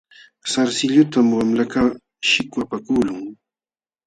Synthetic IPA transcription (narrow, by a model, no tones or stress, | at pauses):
saɾsɪʎʊt̪amwamlakaː | ʃɪkwapakuːlʊŋ